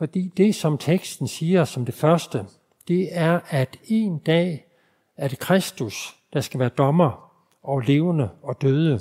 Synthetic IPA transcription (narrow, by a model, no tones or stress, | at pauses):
fɒ̽d̥ḭːd̥e̝sɒ̽mt͡sʰeɡ̥sd̥n̩siːɐsɒ̽md̥e̝fɶɐsd̥ə | d̥e̝æɐæd̥e̝ːnd̥ɛ̰ː | æɐd̥e̝kʰʁɛsd̥usd̥ɑ̈sɡ̥æʋæːɐd̥ɒ̽mɐ | ɒ̽le̝ːʊənəɒ̽d̥øːð̞ˠə